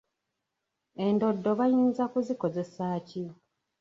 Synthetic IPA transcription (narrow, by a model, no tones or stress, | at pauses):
e̞ndo̞dːoβajiːnzakuziko̞ze̞saːci